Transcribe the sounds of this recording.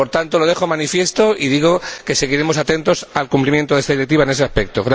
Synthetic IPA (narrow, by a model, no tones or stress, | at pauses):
poɾt̪ant̪o̞lo̞ðe̞xo̞manifje̞st̪o̞ʔiðiɣ̞o̞ke̞se̞ɣiɾe̞mo̞sat̪e̞nt̪o̞salkumplimje̞nt̪oðest̪aðiɾe̞k̚t̪iβaene̞se̞aspe̞k̚t̪o̰ɣɾ